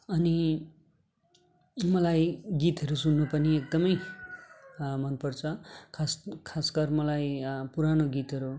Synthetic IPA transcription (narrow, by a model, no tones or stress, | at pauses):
ʌni | mʌlajɡit̪ɦʌɾusunːupʌniek̚d̪ʌmʌj | mʌnpʌrt͡sʰʌkʰaskʰaskʌrmʌlajpuɾanoɡit̪ɦʌɾu